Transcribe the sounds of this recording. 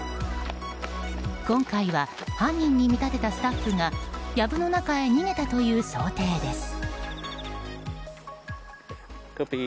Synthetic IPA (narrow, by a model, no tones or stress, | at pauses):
kõ̞ŋkaiβa | hãɲːĩɲ̟ːimʲit̪at̪e̞t̪asɨ̥t̪aɸːɯ̟ŋajabɯno̞nakae̞ɲ̟ine̞t̪at̪o̞jɯ̟ːso̞ːt̪e̞ːd̪e̞sɨ̥